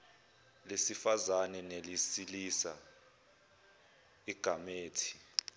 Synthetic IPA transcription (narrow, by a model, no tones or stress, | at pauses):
lesifazanɛnelisilisa̰ | iɡ̥ʱameːtʰi̥